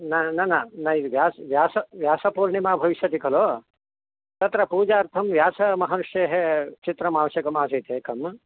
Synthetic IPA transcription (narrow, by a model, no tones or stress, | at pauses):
nɐnɐnɐnɐiʋjaːsʋjaːsɐʋjaːsɐpuːɾɳimaːbʱɐʋiʃjɐt̪ikɐloː | t̪ɐt̪ɾɐpuːd͡ʒaːɾt̪ʰɐmʋjaːsɐmɐɦɐnuʂjeːɦet͡ʃit̪ɾɐmaːʋɐʃjɐkɐmaːs̬ɐːt̪eːkɐm